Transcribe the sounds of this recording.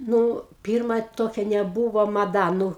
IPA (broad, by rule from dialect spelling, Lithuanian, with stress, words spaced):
ˈnʊ ˈpʲiːrmɐ ˈtoːkʲɛ nʲɛˈbuːʋoː mɐˈdɐ ˈnʊ